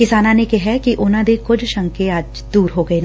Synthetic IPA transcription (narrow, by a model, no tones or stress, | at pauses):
kɪsaːnãnekeɦɛkiʔʊnãd̪ekʊd͡ʒʱʃɐ̃ŋkeaːd͡ʒ | d̪uːɾɦoɡɐen